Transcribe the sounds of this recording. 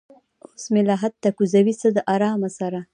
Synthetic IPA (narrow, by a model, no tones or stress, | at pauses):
osmɪlɑɦat̪ːakuzawisəd̪əʔɑɾɑmasaɾa